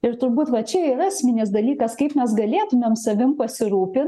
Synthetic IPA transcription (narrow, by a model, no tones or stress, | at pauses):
ɪɾt̪ʊɾbuːt̪ʋɐt͡ʃʲɛiːɾɑsʲmʲɪnʲɪsd̪ɐlʲiːkɐskɐɪpmʲɛsɡɐlʲeːt̪ʊmʲemsɐʋʲɪmpɐsʲɪɾuːpʲɪ